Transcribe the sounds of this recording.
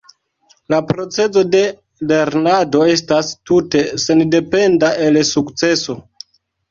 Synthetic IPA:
lapɾo̞t͡se̞zo̞de̞ | le̞ɾnado̞e̞stastute̞se̞nde̞pe̞ndaʔe̞lsukt͡se̞so̞

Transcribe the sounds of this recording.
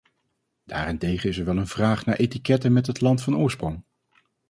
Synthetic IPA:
d̥a̰ːrɪntejχənɪsɛɹʋɛlˠənv̥raːχnaːɹʔejtikɛtəmɛtɦətlɑntfɑnʊːɹsprɔŋ

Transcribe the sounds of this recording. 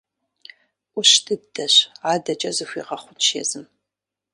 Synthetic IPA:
ʔʷʊʃtʰɨdɐɕaːdɐt͡ʃʼɐzɨxʷiːʁɐχʷʊʃḛzɨm

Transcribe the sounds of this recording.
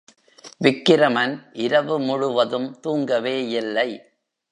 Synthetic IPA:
ʋɪkːɪɾɐmɐnʔɪɾɐʋɯmʊɻʊʋɐðɯmt̪uːŋɡɐʋeːɪlːɐɪ

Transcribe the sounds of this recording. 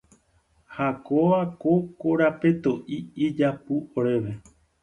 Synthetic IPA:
hakoʋakokoɾape̞t̪o̞ʔiid͡ʒapuoɾe̞ʋe̞

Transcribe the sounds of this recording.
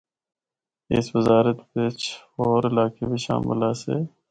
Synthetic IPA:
ḛswɪzaːɾət̪beːt͡ʃoːɾɪlaːkebiːʃa̰ːmɪ̰laːsḛː

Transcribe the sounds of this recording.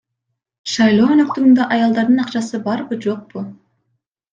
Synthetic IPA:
ʃɑjlˠo̞ːønøk̚t̪yɡynd̪ɑʔɑjɑlˠd̪ɑɾd̪ɯnɑqt͡ʃɑsɯbɑɾbɯd͡ʒo̞q̚bu

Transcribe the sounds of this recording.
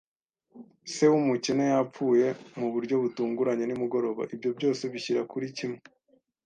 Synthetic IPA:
se̞wumucinojap͡fuːje̞muβuɾɟo̞βutuːŋɡuɾaɲe̞nimuɡo̞ɾo̞βa̰ʔibɟo̞bɟo̞ːse̞βiçiɾakuɾicime

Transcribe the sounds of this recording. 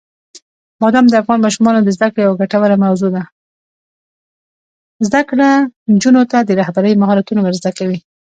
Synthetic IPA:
b̥ɑd̪ɑmd̪əafɣɑnmɑʃumɑnod̪əzd̪akɽejawaɡaʈawaɾamawzod̪a | zd̪akɽand͡ʒunot̪ad̪əɾahbaɾəjmaɦɑlat̪unowəɾzd̪akawi

